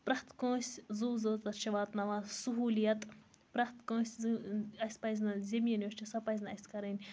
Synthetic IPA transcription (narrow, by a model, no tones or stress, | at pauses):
pɾɐht̪kõːsʲzuːzoːt̪ɐʃʰɐʋaːt̪nɐʋãːsuɦuːlijɐt̪ | pɾɐht̪kõːsʲɐsʲpɐjzʲnɐzʲemiɐnʲoʃt͡ʃʰisɐpɐjzʲnɐɐsʲkɐɾɐnʲ